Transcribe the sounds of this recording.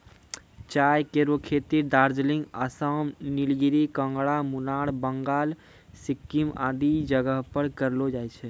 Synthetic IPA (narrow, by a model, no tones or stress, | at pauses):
t͡ʃajkeɾokʰet̪iɾd̪aɾd͡ʒliŋɡəsəmnilɡiɾikə̃ŋɡɽamunaɽbəŋɡaːl | sikːima̰d̪id͡ʒəɡəɦpəɾkəɾlod͡ʒajt͡ʃʰɛ